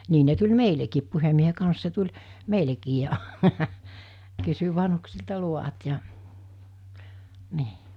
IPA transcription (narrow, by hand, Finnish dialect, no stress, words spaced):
niː ne tulʲ meilekiːp puhemːiehe kɑns se tulʲ meilekiː jɑ kysy ʋɑnhuksiltɑ luʋɑt jɑ niː